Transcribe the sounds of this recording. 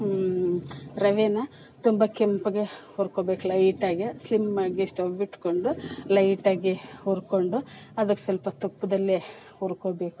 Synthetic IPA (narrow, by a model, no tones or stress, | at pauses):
ɾɐʋenɐ | t̪umbɐkempɐɡehoːɾkoːbe̞ːkulɐjʈaːɡislimːaːɡeʂʈobiʈːkoɳɖulɐjʈaːɡihoːɾkoɳɖuɐd̪ɐkːesɐlpɐt̪upːud̪ɐlːe | oːɾkoːbe̞ːku̥